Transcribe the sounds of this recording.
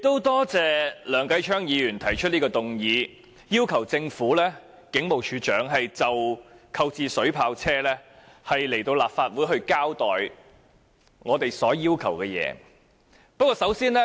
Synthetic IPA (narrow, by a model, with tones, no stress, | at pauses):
ɪ˨kt̪ːo˥wt̪ɔː˥t͡sɛː˨lœː˨˩ŋkɐ˨˥jt͡ʃʰœː˥ŋjiː˨˧jyː˨˩nt̪ʰɐ˨˩jt͡ʃʰt̚niː˥kɔː˧t̪ʊ˨ŋjiː˨˧ | jiː˥wkʰɐ˨˩wt͡sɪ˧ŋfuː˨˥lɛː˥ | kɪ˨˥ŋmo˨˩wt͡ʃʰyː˨˧t͡ʃœː˨˥ŋɦɐ˨jt͡sɐ˨wkʰɐ˧wt͡siː˨˧sɵ˨˥ɥpʰaː˧wt͡sʰɛː˥lɛː˥ | hɐ˨jle˨˩jt̪o˧wlaː˨p̚faː˧t̚wuː˨˥jɦɵ˧ɥkaː˥wt̪ɔː˨j | ŋɔː˨˧t̪e˨jsɔː˨˥jiː˥wkʰɐ˨˩wkɛː˧jɛ̰ː˨˧ | pɐ˥kːɔː˧sɐ˨˥wsiː˥nlɛ˥